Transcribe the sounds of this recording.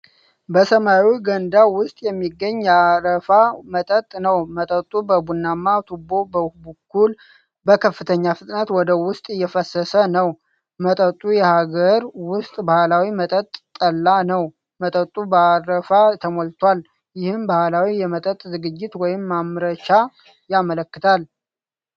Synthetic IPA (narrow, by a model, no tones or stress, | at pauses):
bəsəmawiɡənd̪awʊst̪ʼjɛmːiɡːəɲːaɾəfamət̪ʼət̪ʼnəwmət̪ʼət̪ʼubəbunːamːat̪ʰubo̞bəhbukʰːul | bəkʰəfːɨt̪ʰəɲːafɨt̪ʼnət̪wɔd̪əwʊst̪ʼɨjːɛfəsːəsənəw | mət̪ʼət̪ʼːujɛhaɡəɾwʊst̪ʼbahlawimət̪ʼət̪ʼt̪ʼːəlːanəw | mət̪ʼət̪ʼubəaɾəfat̪ʰəmolt̪ʰwal | jɪhɨmbahlawijɛmət̪ʼət̪ʼzɨɡɨd͡ʒːɪt̪wɔjɪmːamɾəʃa | jamələkːɨt̪ʰal